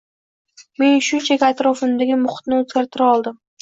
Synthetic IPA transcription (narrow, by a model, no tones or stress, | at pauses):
me̞nʃʊnt͡ʃʰakʲat̪ɾɒfɪmd̪aɡʲɪmʊχt̪nɪot̪ɡʲaɾt̪ʰɪɾaɒlˠd̪ɪm